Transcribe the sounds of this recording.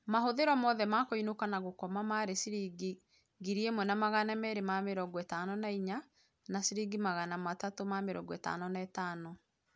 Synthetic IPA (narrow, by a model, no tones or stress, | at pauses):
mahoðeɾɔmɔðɛmakoinokanaɣokɔmamaɾesiɾiɡi | ɡiɾiemwɛnamaɣanamɛɾemameɾɔɡɔɛtanɔnaiɲa | nasiɾiɡimaɣanamatatomameɾɔ̰ɡɔɛta̰nɔnɛtaːnɔ